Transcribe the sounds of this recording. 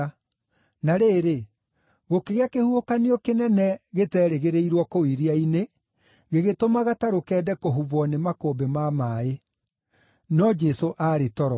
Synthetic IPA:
naɾeːɾe | ɣokeɣeakehuokaneɔkenɛnɛɣetɛːɾeɣeɾeiɾwɔkowiɾiaine | ɣeɣetomaɣataɾokɛːdɛkoɦuβɔnemakombemamaːe | nɔd͡ʒɛsoʔaɾetɔɾɔ

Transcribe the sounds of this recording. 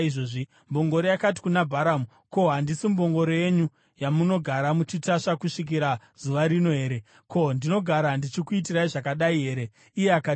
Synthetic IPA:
ʐoʐi | mbo̞ŋɡo̞ɾojakati̥kunabʱaɾamu | ko̞ɦandisimbo̞ŋɡo̞ɾoje̞ɲu | jamuno̞ɡʱaɾamut͡ʃitaʂakuʂik̬iɾa | z̥uʋaɾino̞ɦe̞ːɾe̞ | ko̞ndino̞ɡʱaɾandit͡ʃikuitiɾaiʐakaɗaiɦe̞ːɾe̞ | ijeaka

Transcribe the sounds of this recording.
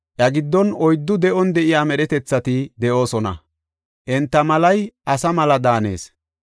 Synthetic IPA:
ʔɐɡɪd̪ːɔnɔjd̪ːʊd̪ɛʔɔnd̪ɛʔɪjaːmɛɾɛt̪ɛt͡sːɐt̪ɪd̪ɛʔo̞ːsɔnɐ̰ | ʔɛnt̪ːɐmɐlɐjʔɐsɐmɐlɐd̪aːne̞̰ːs

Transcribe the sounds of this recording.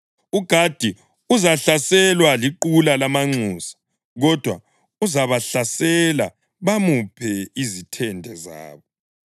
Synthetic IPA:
uɡ̥ʱad̥ʱi | uzaɬasɛlwaliǃulalamaŋ͡ǀuːsḁ | ɣɔd̥ʱwa | uzaβaɬasɛla | βamupʰɛizitʰɛndʱɛza̰ːβɔ

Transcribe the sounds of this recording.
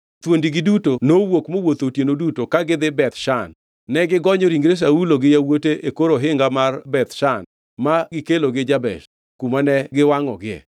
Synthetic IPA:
t̪wondiɡɪdutonowokmowot̪otjenodutokaɡɪd̪ɪbɛt̪ʃanː | ɛɡɪɡɔɲɔɾiŋɡɾes̬auloɡɪjawoteʔekoɾoɦɪŋɡamarbɛt̪ʃan | maɡɪkeloɡɪd͡ʒabɛ̰ʃ | kumanɛɡɪwaŋɔ̰ɡɪɛ̰

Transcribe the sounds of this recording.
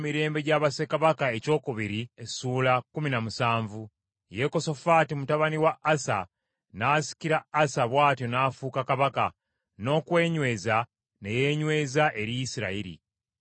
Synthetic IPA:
miɾe̞ːmbe̞ɟaβase̞kaβakae̞co̞ːkuβiɾiesuːlakuminamusaːɱvu | je̞ko̞so̞fatimutaβaniwaʔːsa̰ | naːsi̥kiɾaːsaβwaːtjo̞naːfuːkakaβaka | no̞ːkwe̞ːɲwe̞ːza | ne̞je̞ːɲwe̞ːzaʔe̞ɾijisiɾa̰iɾḭ

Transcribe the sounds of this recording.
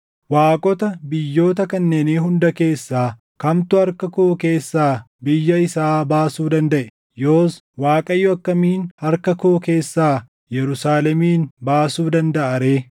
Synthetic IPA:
waːkʼɔt̪ɐbɪjːo̞ːt̪ɐkɐnːeːniːɦʊnd̪ɐke̞ːsːaː | kɐmt̪ʊɐɾkɐkoːke̞ːsːaː | bɪjːɐɪsaːbaːsuːd̪ɐnd̪ɐʔɛ | jo̞ːs | waːkʼɐjːɔɐkːɐmiːnɐɾkɐkoːke̞ːsːaː | jɛɾʊsaːlɛmiːnbaːsuːd̪ɐnd̪ɐʔɐɾe̞ː

